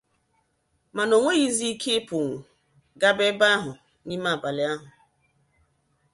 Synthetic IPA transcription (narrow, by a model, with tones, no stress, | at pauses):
ma˨no˨ŋʷe˦ɣi˦zi˦kʰe˦pʊ˨ŋʷu˨ | ɡa˦be˦ba˦a˦ɦʊ˨ | ni˦ma˦˨ba˨lɪ˨a˦ɦʊ˨